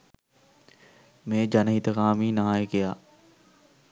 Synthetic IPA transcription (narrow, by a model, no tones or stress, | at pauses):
mẽːd͡ʒanɦiːt̪əkãːmĩːnɐɦaːekɪjaː